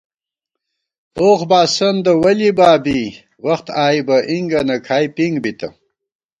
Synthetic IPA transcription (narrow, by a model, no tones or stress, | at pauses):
oxbaːsɐnd̪əwɐlibaːbi | wɐxt̪aːibɐʔiŋɡɐnɐkʰaːjpiŋɡbit̪ɐ̰